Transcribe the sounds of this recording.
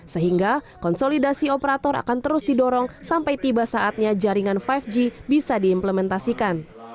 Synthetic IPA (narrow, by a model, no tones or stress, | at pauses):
səɦiŋɡa | kɔnsolidasiopəɾat̪ɔɾa̰kant̪əɾʊsdidɔɾɔŋsampajt̪ibasaat̪̚ɲad͡ʒaɾiŋanfajfd͡ʒibisadiːmpləmɛnt̪asikan